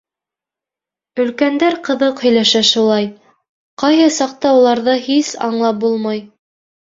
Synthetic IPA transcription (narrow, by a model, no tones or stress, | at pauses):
ɵ̆lkænd̪æɾqɤ̆ðɤqhɵ̆jlæʃæʃulˠɑj | qɑjɦɤsɑq̚t̪ɑulˠɑɾðɤhisɑ̰ɴlˠɑp̚bulˠmɑj